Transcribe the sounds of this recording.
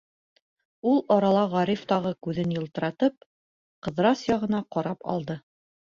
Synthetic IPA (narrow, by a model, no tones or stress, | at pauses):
ulˠɒɾɑlˠɑʁɑɾift̪ɑʁɤkʉðɘnjɤ̆lˠt̪ɤ̆ɾɑt̪ɤp̚ | qɤ̆ðɾɑsjɑʁɤ̆nɑqɒɾɑpɒ̰lˠd̪ɤ